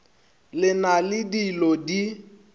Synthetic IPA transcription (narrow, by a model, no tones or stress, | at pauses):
lɪnalɪdilodi